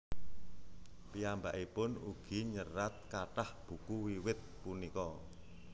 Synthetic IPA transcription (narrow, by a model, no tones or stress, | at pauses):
piambaʔipʊnuɡ̥i̤ɲəɾat̪̚kaʈahb̥ṳkuwiwɪt̪̚punikɔ